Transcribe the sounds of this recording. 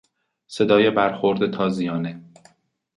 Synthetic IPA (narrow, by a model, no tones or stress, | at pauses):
se̞d̪ɒːje̞bæɾxoɾd̪et̪ʰɒːzijɒːne